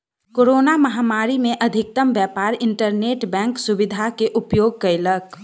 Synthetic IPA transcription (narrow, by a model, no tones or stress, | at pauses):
koɾoːnaməɦamaɾimẽʔəd̪ʱɪk̚t̪əmbjɛpaɾɪɳʈəɾneʈbɛ̃ːŋksubid̪ʱakeʔupjoːɡ̚kəɪlək